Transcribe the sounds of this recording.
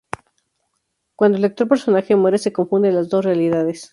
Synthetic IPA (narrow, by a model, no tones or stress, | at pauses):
kwand̪oelek̚t̪ope̞ɾso̞naxemweɾese̞ko̞ɱfũnd̪elazðo̞srealiðaðes